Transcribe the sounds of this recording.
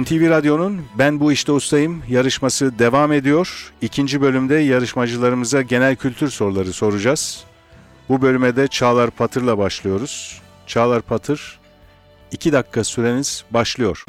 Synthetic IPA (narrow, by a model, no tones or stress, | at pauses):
ɛnt̪ʰiviɾad̪jo̞nunbænbuiʃt̪ʰɛust̪ʰajɯmjaɾɯʃmasɯd̪e̞vame̞d̪ijo̞ɾ̥icʰind͡ʒibø̞lʲymd̪ɛjaɾɯʃmad͡ʒɯlˠaɾɯmɯzd̪aɟe̞nælʲcʰylʲt̪ʰyɾso̞ɾlˠaɾɯso̞ɾud͡ʒaz̥ | bubø̞lʲymɛd̪ɛt͡ʃʰaːlˠaɾpʰat̪ʰɯɾlˠabaʃlˠɯjo̞ɾuz̥ | t͡ʃʰaːlˠaɾpʰat̪ʰɯɾ̥ | icʰid̪akʰːasyɾe̞niz̥baʃlˠɯjo̞ɾ̥